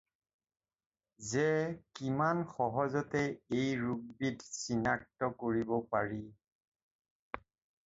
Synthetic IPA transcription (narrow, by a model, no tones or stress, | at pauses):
zɛkimanxɔɦɔzɔtɛejɹuɡ̚bitsinak̚tɔkoɹibɔpaɹi